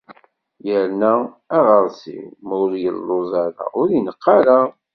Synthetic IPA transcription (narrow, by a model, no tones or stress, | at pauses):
jəɾnæː | ʁəɾˤsḭmuɾjə̰lːozˤɑɾa̰ʊɾənəqʰːɑɾa